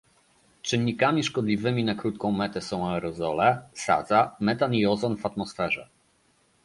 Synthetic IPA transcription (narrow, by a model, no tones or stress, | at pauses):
t͡ʂɘnʲːikamʲiʂkɔd̪lʲivɘmʲinakɾut̪kɔ̃w̃mɛt̪ɛsɔ̃w̃aɛɾɔzɔlɛsa̰d̪zamɛt̪aniɔzɔnvat̪mɔsfɛʐɛ